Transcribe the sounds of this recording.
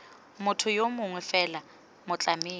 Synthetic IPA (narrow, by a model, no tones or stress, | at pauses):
mʊtʰʊjomʊŋwɛfɛla | mʊt͡ɬʼameː